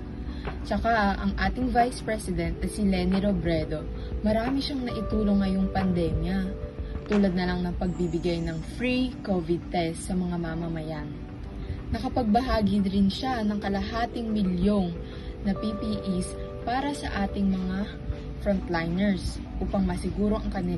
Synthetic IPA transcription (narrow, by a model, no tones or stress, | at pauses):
t͡ʃɐkaɐŋʔaːt̪ɪŋvajspɹɛsɪd̪ɛnt̪̚nɐsilɛnɪɾobɾɛd̪o̞ | mɐɾaːmɪʃaŋnɐʔɪt̪uːlo̞ŋːɐjo̞ŋpɐnd̪ɛmjɐt̪uːlɐd̪nɐlaŋnɐŋpɐɡ̚bibɪɡajnɐŋfɹikovɪd̪̚t̪ɛst̪sɐmɐŋamamɐmɐjan | nɐkɐpɐɡ̚bɐɦaːɡid̪ɾɪnʃanɐŋkɐlɐɦaːt̪ɪŋmɪljo̞ŋ | nɐpipiʔis | paːɾɐsɐ̰ʔaːt̪ɪŋmɐŋa | fɾont̪lajnɛɹs | ʔuːpɐŋmɐsɪɡuːɾo̞ʔɐŋkɐnɪ